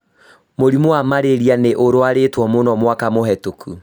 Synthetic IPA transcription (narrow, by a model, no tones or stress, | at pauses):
moɾimoamaɾeɾianeʔoɾoaɾetwɔmonɔmwakamoɦɛtokʰu